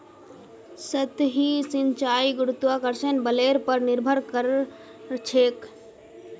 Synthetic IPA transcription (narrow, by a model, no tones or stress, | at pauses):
sət̪ɦisint͡ʃaːiɡɾut̪ʋakəɾsenbəleɾpəɾnɪɾbʱəɾkəɾ | t͡ʃʰeːk